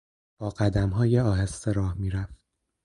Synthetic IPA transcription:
b̥ɒːɢæd̪æmɦɒːjeɒːɦesːeɾɒːhmiːɾæft̪̚

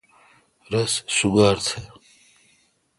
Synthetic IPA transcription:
ɾɐssuɡaːɾt͡s̪ʰe

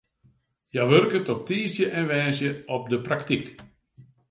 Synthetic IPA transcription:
jaʋørkətɔp̚tiːsjəʔɛnʋɛːsjəɔp̚dəpraktik

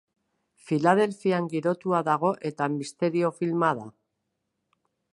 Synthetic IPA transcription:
filað̞e̞lfiaŋɡiɾo̞t̪uaðaɣ̞o̞ʔe̞t̪amist̪e̞ɾio̞filmað̞a

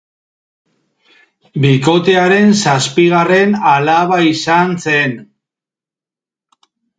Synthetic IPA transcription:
biko̞t̪e̞aɾe̞nsaspiɣare̞nalaβaisanse̞n

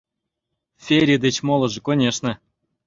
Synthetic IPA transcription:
fʲeɾʲid̪et͡ɕmolˠɤ̆ʐɤ̆konʲeʂnɤ̆

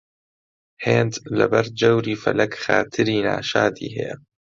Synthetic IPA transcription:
heːnd̪lɐ̰bɐɾ̚d͡ʒɐwɾiːfɐ̰lɐkxaːt̪ʰɨɾiːna̰ːʃaːd̪ḭːɦɛjɛ̰

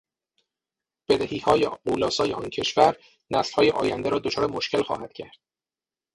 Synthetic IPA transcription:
b̥e̞d̪æhiːhɒːjeɢuːlɒːsɒːjeɒːncʰe̞ʃvæɾ | næslhɒːjeʔɒ̰ːjænd̪eɾɒːd̪ot͡ʃʰɒːɾemo̞ʃcʰe̞lxɒ̰ːhæd̪̥̚cʰæɾd̪̥

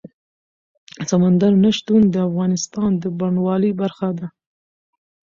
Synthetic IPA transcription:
samand̪aɾnaʃt̪und̪əafɣɑnɪst̪ɑnd̪əbaɳwɑləjbaɾxad̪a

